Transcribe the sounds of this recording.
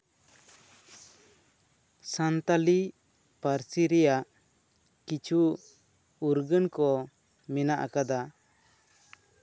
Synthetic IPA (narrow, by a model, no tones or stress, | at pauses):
sant̪ali | paɾsiɾɛjaʔ | kit͡ʃʰu | uɾɡənkɔ | mɛnaʔkad̪a